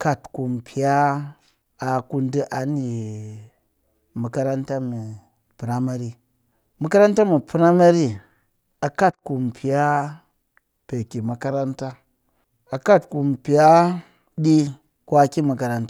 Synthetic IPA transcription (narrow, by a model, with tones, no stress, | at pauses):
ka˦˨tku˨m˨pi˨ja˦ | a˨ku˦ndi˦ʔa˨˦ni˨ | mu˨ka˦ɾa˦nta˦mi˨ | pu˨ɾa˦ma˦ɾi˦ | mu˨˦ka˦ɾa˦nta˦mi˨pu˦ɾa˦ma˦ɾi˦ | a˨ka˦˨tku˨m˨pʰi˨ja˦ | pe˨ki˨ma˨ka˦ɾa˦nta˦ | a˨ka˦˨tku˨m˨pi˨ja˦ | ɗi˦ | kʷa˦ki˦ma˨ka˨ɾa˦nta˦